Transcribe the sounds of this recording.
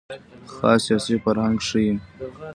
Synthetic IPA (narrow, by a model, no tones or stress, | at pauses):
xɑ̰ːsjɑːsifaɾhaŋɡʂii